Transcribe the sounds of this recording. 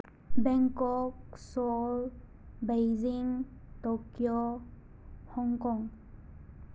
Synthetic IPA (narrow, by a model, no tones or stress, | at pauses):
bɛŋkɔksɔl | bajziŋtɔkjɔ | hɔŋkɔŋ